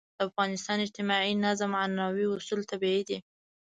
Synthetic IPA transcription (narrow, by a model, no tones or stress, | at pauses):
d̪̥əafɣɑnɪst̪ɑnɪd͡ʒt̪ɪmɑʕinazmanɑwiʊsult̪abiid̪i